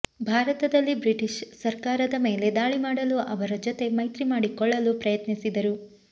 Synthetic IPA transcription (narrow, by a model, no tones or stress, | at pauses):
bʱaːɾɐt̪ɐd̪ɐlːibɾiʈiʃsɐɾkaːɾɐd̪ɐme̞ːle̞d̪aːɭimaːɽɐluʔɐʋɐɾɐd͡ʒɔt̪e̞mɐjt̪ɾimaːɽikɔɭːɐlupɾɐjɐt̪nisid̪ɐɾu